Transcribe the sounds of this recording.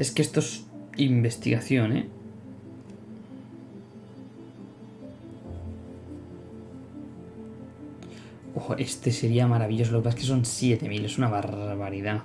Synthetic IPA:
e̞skest̪osimbe̞st̪iɣaθjonḛ | oe̞st̪ese̞ɾiamaɾaβiʎo̞s̬olokepaseske̞so̞nsjet̪e̞mile̞sunaβaɾβaɾiða

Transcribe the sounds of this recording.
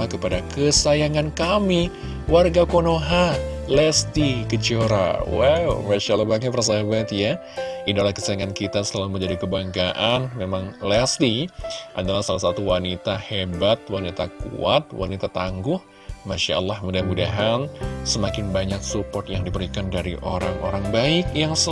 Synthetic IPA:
akəpadakəsajaŋankami | warɡakonoɦalɛst̪ikət͡ʃoɾa̰wawmaʃalːabaŋkapərs̬aɦabat̪ja | idalahkəsajaŋankit̪asəlaluməɲd͡ʒadikəbaŋɡaʔanmemaŋlɛst̪iʔadalahsalasat̪uwanit̪ahebat̪̚wanit̪akṵat̪̚wa̰nit̪at̪aŋɡʊh | maʃa̰ə̰lːahmudahmudaɦansəmakɪnbaɲak̚supɔrt̪jaŋdipəɾikandaɾiʔo̰ɾaŋo̰ɾaŋbaɪkjaŋs

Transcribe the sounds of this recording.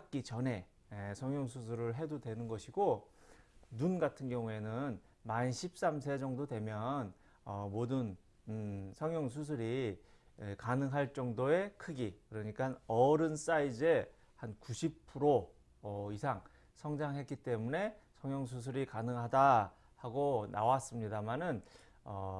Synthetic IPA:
ak̚k͈it͡ɕʌne̞ | esʰʌŋjʌŋs̬ʰus̬ʰɯɾɯɭɦe̞dodwe̞nɯnɡʌɕʰiɡo | nunɡatʰɯnɡjʌŋue̞nɯn | manɕʰip̚s͈amsʰe̞d͡ʑʌŋdodwe̞mjʌn | ʌmodɯn | sʰʌŋjʌŋs̬ʰusʰɯɾi | kanɯŋɦaɭt͡ɕ͈ʌŋdoe̞kʰɯɡikɯɾʌɲik͈anʌɾɯns͈aid͡ʑe̞ | hankuɕʰip̚pʰɯɾo | ʌisʰaŋ | sʰʌŋd͡ʑaŋɦe̞t̚k͈it͈e̞mune̞sʰʌŋjʌŋs̬ʰus̬ʰɯɾikanɯŋɦada | haɡonʔa̰was͈ɯmɲidamanɯn | ʌ

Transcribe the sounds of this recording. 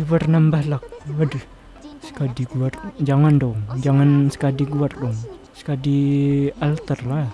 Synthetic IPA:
dipərnambahlak̚wadi | sə̥kadiɡuard͡ʒaŋandɔŋd͡ʒaŋansə̥kadiɡuardɔŋ | sə̥kadialt̪ərla

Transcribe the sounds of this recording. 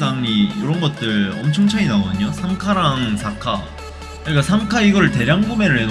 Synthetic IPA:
aŋɲijoɾʌnɡʌt̚t͈ɯɭʌ̰mt͡ɕʰʌŋt͡ɕʰaɲinaɡʌdɯɲosʰaŋkʰaɾaŋsʰakʰa | kɯɲik͈asʰaŋkʰaiɡʌɾɯɭte̞ɾjaŋɡume̞ɾɯɭɦe

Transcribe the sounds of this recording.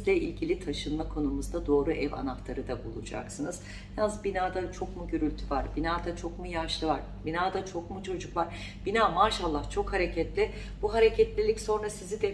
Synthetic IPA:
zlʲɛilʲɟilʲit̪ʰaʃɯnmakʰo̞numuzd̪ad̪o̞ːɾuʔɛva̰naft̪ˠaɾɯd̪abulˠṵd͡ʒa̰ksɯnɯz̥ | hzbinaːd̪at͡ʃʰo̞kmuɟøɾylʲt̪ʰyvaɾbinaːd̪at͡ʃʰo̞kmujaʃlˠɯvaɾ | binaːd̪at͡ʃʰo̞kmut͡ʃʰo̞d͡ʒukvaɾ̥ | b̥inaːmaːʃalˠːaht͡ʃʰo̞khaɾecʰɛt̪lʲɪ | b̥uɦaɾecʰɛt̪lʲilʲicso̞nɾasizid̪ɛ

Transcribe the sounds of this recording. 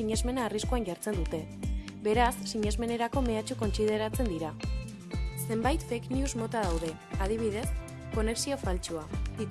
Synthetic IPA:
iɲe̞zme̞naːriskuaŋʝaɾt͡se̞nd̪ut̪e̞ | be̞ɾasːiɲe̞zme̞ne̞ɾako̞me̞at͡ʃuko̞nsið̞e̞ɾat͡se̞nd̪iɾa | se̞mbajt̪fekniuzmo̞t̪að̞awð̞e̞ | að̞iβ̞iðe̞s | ko̞ne̞ksio̞falt͡ʃuai

